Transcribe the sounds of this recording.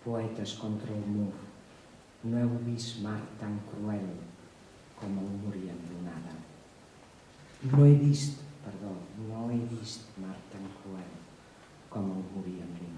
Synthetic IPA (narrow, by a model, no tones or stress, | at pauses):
poɛt̪ɐskɔnt̪ɾaumuɾ | nõɛwβismaɾt̪aŋkɾuɛl | kɔmawmuɾiand̪unaða | noɛβist̪pəɾðɔnoɛβist̪maɾt̪aŋkɾuɛl | kɔmawmuɾiampɾim